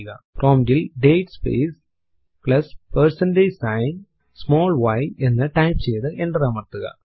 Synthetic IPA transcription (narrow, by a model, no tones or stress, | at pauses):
ɣa̰pɾʔoːmɖilɖeːʈspḛːs | klɐspɐɾsɐnɖeːsɐɪn | smoːlʋɐɪɛnːɐʈɐɪpsɛjðɯʔɛɳɖɾaːmɐt̪ːɯɣɐ̰